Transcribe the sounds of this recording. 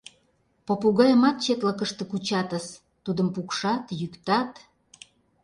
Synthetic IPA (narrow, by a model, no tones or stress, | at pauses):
popuɣɑjəmɑt̪̚t͡ɕet̪ləkəʃt̪ə̆kut͡ɕɑt̪əs | t̪ud̪əmpukʃɑt̪jykt̪ɑt̪